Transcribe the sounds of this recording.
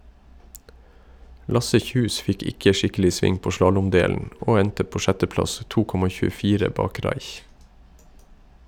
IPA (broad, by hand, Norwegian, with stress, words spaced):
ˈlɑsə ˈçʉːs ˈfɪk ˈɪkə ˈʃɪkəlɪ ˈsʋɪŋ ˈpoː ˈʃlɑːlʊmˌdeːlən ˈʔoː ˈɛntə ˈpoː ˈʃɛtəˌplɑs ˈtuː ˈkɔmɑ çʉːəˈfiːɾə ˈbɑːk ˈɾɑɪç